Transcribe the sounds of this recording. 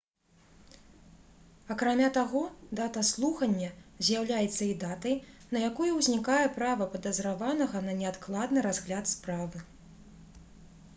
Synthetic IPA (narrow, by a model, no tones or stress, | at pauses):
ɐkɾamʲat̪aɣɔd̪at̪ɐslˠuxɐnʲːɐzʲjawlʲajɛt̪sːɐid̪at̪ɐjnɐjakɔjuwzʲnʲikajɛpɾavɐpɐd̪ɐzɾavanɐɣɐnɐnʲɛat̪klˠad̪nɨɾazɣlʲat̪spɾavɨ